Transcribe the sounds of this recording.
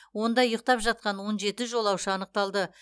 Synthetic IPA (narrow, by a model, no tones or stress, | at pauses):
wo̞nd̪ɑjʊq̚t̪ɑpʒɑt̪̚qɑnwo̞nʒe̞t̪ɪʒo̞lˠɑwʃəɑnəq̚t̪ɑlˠd̪ə